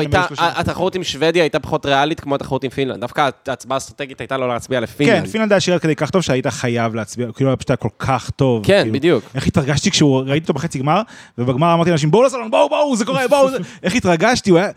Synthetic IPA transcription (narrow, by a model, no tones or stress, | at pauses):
ajmaloʃaat̪aχaʁut̪imʃved̪jaajt̪apḁχo̞t̪ʁealitkmoat̪ḁχaʁutimfinla̰ndːafkat͡sbaːst̪ʁat̪eɡit̪ajt̪alolet͡sbialefinkleanfinland̪ajaʃiʁet̪kedejkaχt̪o̞vʃeaitaχajavleat͡sbiakiːluajabʃutajako̞lkʰaχt̪o̞vkebid̪ijukeχitʁaɡaʃtikʃeuʁaitiot̪oeχet͡siɡmaʁvebeɡmaʁamaʁt̪ianaʃimboulasalonboubouzeko̞ʁebouzeʔeχitʁaɡaʃtiuaja